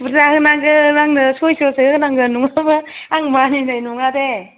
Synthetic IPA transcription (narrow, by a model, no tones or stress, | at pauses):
bɯɾzahɯnaŋɡɯnaŋnɯsojsɯsʰɯɯɡɯnaŋɡɯnuŋamɯaŋmaninajnuŋade